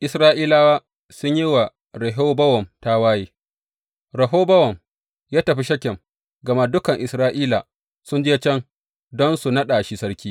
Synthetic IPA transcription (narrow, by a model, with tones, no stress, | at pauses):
ʔɪ˨sɾaː˦ʔiː˦laː˦waː˦ | sʊ˦ɲji˦wa˨ | ɾɐ˨ɦoː˦bɐ˦wɔ˨mta˦waː˦jiː˦ | ɾɐ˨ɦoː˦bɐ˦wɔ˨m | jaː˦tɐ˨ɸi˦ʃɐ˦kʲːɛ˨m | ɡɐ˨ma˦dʊ˦kɐ˨ŋʔɪ˨sɾaː˦ʔiː˦la̰˨ | sʊ˦nd͡ʒe˦t͡ʃɛ˦ŋ | dɔ˦nsu˨nɐ˦ɗa˨ʃi˦sɐ˦ɾkʲiː˦